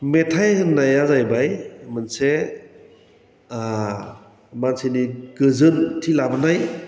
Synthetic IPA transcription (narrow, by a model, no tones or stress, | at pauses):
metʰajhɯnːajazajbajmɯnse | mansiniɡɯzɯntʰilabanaj